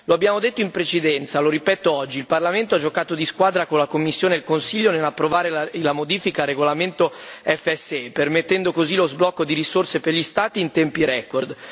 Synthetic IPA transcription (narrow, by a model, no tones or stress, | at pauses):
loabːjaːmod̪et̪ːoimpɾet͡ʃed̪ɛnt̪saloɾipɛːt̪oɔd͡ʒːilparlament̪oad͡ʒːokaːt̪od̪iskwaːd̪ɾakonlakomːisːjoːneːlkonsiʎːonelːapːɾovaːɾelalamod̪iːfikaɾeɡolament̪oɛfːɛsːeɛpermet̪ːɛnd̪okozilozblɔkːod̪iɾisorseperʎist̪aːt̪iːnt̪ɛmpiɾɛkord̪